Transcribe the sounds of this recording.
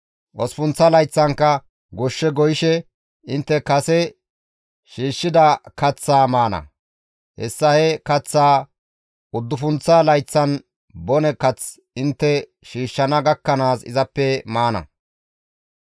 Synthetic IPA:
ʔɔsfʊnt͡sːɐlɐjt͡sːɐŋkːɐ | ɡɔʃːɛɡɔjɪʃɛ | ɪnt̪ːɛkɐsɛ | ʃiːʃːɪd̪ɐkɐt͡sːaːmaːnɐ̰ | hɛ̰sːɐhɛkɐt͡sːaː | ʊd̪ːʊfʊnt͡salɐjt͡sːɐn | bɔnɛkɐt͡s | ɪnt̪ːɛ | ʃiːʃːɐnɐɡɐkːɐnaːsɪ̰zɐpːɛmaːnɐ̰

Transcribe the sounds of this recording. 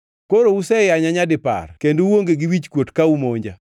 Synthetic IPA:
koɾousɛjaɲaɲadɪpa̰rkendowoŋɡeɡɪwit͡ʃkwotkaumoɲd͡ʒa̰

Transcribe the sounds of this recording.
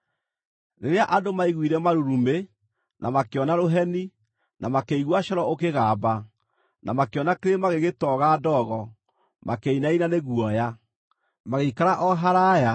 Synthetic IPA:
neɾeaʔadomaiɣwiɾɛmaɾuɾume | nʔamakeɔnaɾoɦɛni | nʔamakeiɣwaɕɔɾɔokeɣaːba | nʔa̰makeɔnakeɾemaɣeɣetɔɣaːdɔɣɔ | makeinainaneɣuɔja | maɣeikaɾaʔɔɦaɾaja

